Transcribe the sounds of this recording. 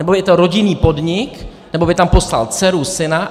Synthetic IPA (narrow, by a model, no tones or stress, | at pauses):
nɛbobjɛt̪oɾoɟɪniːpo̞dɲɪk | nɛbo̞bɪt̪ampo̞sla̰lt͡sɛɾusɪna